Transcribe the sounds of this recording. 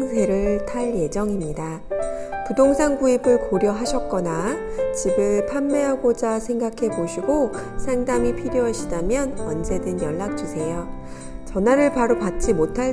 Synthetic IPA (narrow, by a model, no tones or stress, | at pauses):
ŋsʰe̞ɾɯɭtʰaɭje̞d͡ʑʌŋimɲida | pudoŋsʰaŋɡuibɯɭkoɾjʌɦaɕʰʌk̚k͈ʌnat͡ɕibɯɭpʰamːe̞ɦaɡod͡ʑasʰe̞ŋɡakʰe̞boɕʰiɡo | sʰaŋdamipʰiɾjoɦaɕʰidamjʌnʌnd͡ʑe̞dɯnjʌɭːak̚t͡ɕ͈usʰe̞jo | t͡ɕʌnaɾɯɭpaɾopat̚t͡ɕ͈imotʰa